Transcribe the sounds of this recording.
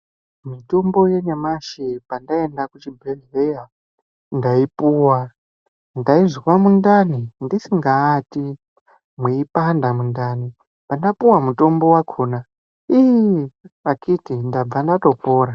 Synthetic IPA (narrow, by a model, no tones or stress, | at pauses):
mito̞mbo̞je̞ɲamaʃipandae̞ndakut͡ʃibʱelɦeja | ndaipuːwa | ndaiʐiwamundanindisiŋɡaːti | mwiipandamundani | pandapuwamuto̞mbo̞wakʰo̞na | i | akitindab͡vandato̞po̞ːɾa